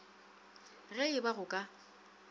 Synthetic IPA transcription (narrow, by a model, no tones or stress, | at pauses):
ɣɛɪbaɣʊkʼa